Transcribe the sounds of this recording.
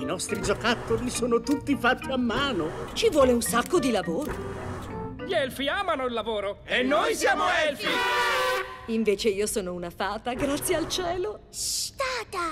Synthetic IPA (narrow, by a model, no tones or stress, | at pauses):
inɔst̪ɾid͡ʒokat̪ːolisoːnot̪ut̪ːifat̪ːiamːaːnot͡ʃivwɔːleunsakːod̪ilavoːɾo | ʎiɛlfiaːmanoilːavoːɾoenːojsjaːmoɛlfi | iɱveːt͡ʃeiːosoːnounafaːt̪aɡɾat̪sːjealt͡ʃɛːlosst̪aːt̪a